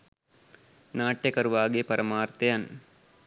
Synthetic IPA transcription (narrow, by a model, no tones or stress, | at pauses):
naːʈjekɐɾuʋaːɡeːpɐɾɐmaːɾt̪ejɐn